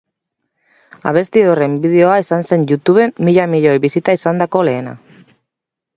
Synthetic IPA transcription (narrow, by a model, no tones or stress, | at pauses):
a̰β̞e̞st̪io̞re̞mbið̞e̞o̞aisanse̞nʝut̪uβ̞e̞mːiʎamiʎojβisit̪aisand̪ako̞le̞ːna̰